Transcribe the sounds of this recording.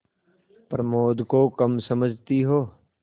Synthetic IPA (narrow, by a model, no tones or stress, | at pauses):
pɾɐmoːd̪kokɐmsɐməd͡ʒʱt̪iɦoː